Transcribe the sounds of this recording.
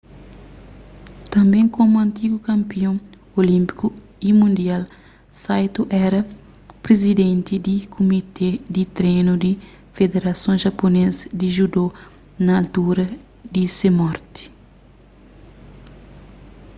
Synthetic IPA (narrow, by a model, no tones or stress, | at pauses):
t̪ɐ̃mbẽŋkomuɐ̃nt̪iɡukɐ̃mpiõŋ | olĩmpi̥ku | imũnd̪ial | sajt̪uʔɛɾɐ | pɾezid̪ẽnt̪id̪ikʰumit̪ʰed̪it̪ɾenud̪i | fed̪eɾɐsõŋʒɐponezɐd̪iʒud̪o | nɐːlt̪uɾɐ | d̪isemɔɾt̪i̥